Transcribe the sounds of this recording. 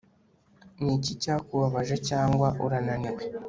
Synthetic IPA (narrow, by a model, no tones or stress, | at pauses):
nicicakuβaβaʒecaːŋɡwaʔuɾananiwe